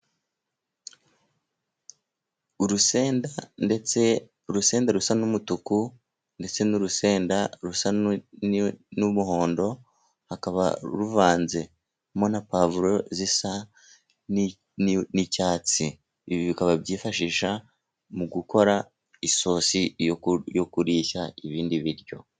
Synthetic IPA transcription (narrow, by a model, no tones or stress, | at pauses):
uɾuseːndandet͡se | uɾuse̞ːndaɾusanumutuku | nde̞t͡se̞nuɾuse̞ːndaɾusannumuho̞ːndo̞ | hakaβa̰ɾuvaːnze̞ | monapaːvuɾo̞zisa | n | nicaːt͡si | iβiβikaβaβɟiːfaʃiːʃa | muɡuko̞ɾa | iso̞ːsijokuɾiːçaiβiːndiβiɾjo̞̰